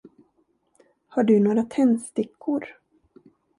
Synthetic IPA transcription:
haɖɵnoːɾat̪ʰɛnːst̪ɪkʰːʊɾ

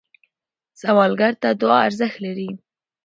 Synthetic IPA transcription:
sawɑlɡaɾt̪ad̪ʊɑaɾzəxt̪laɾi

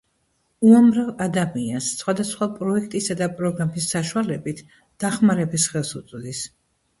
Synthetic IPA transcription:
uamɾavad̪amiansːχwad̪asχwapʼɾɔɛkʰt̪ʼisad̪apʼɾɔɡɾamisːaʃualɛbit̪ʰ | d̪̥aχmaɾɛbisχɛlˠsut̪sʼd̪is

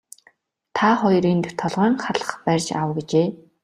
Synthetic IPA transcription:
t̪ʰaχɔjriːnt̪t̪ʰɔɮʁœːŋχaɮə̥̆χpærʲt͡ɕa̰wɡet͡ɕeː

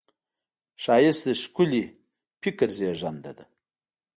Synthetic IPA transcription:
ʃɑjɪsd̪əʃkuli | pikəɾzeʒand̪a̰d̪ə

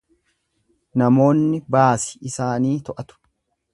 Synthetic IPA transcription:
nɐmo̞ːnːɪbaːsɪ̥ɪsaːniːt̪ɔʔɐt̪ʊ̥

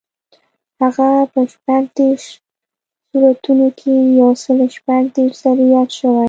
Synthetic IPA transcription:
haɣapəʃpant̪eʃ | suɾat̪unokʰejawsəlʃpan̚t̪eʃzaɾijɑd̪ʃəwaj

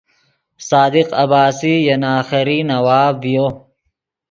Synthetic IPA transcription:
saːd̪ɪqɐbaːsijɐnaːxɐɾinɐwaːvijo

